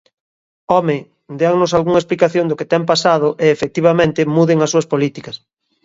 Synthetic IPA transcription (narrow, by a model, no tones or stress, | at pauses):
ɔmɪ | d̪eaŋnʊsalɣuŋɐesplikaθjoŋd̪oket̪ɛmpasað̞ʊʔeːfek̚t̪iβamẽnt̪ɪmuðɪŋɐsːuɐspolit̪ikɐs